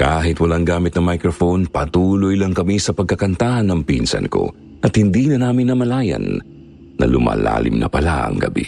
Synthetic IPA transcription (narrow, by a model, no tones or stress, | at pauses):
kaːɦɪt̪wɐlaŋɡaːmɪt̪nɐŋmajkɾofonpɐt̪uːlojlɐŋkɐmisɐpɐɡ̚kɐkɐnt̪aːhɐnːɐŋpiːnsɐ̰nko̞̰ | ʔɐt̪hɪnd̪iːnɐnaːmɪnːɐmɐlaːjɐ̰n | nʔɐ̰lʊma̰ːla̰ːlɪ̰mnɐ̰pɐlaʔɐ̰ŋɡɐbḭ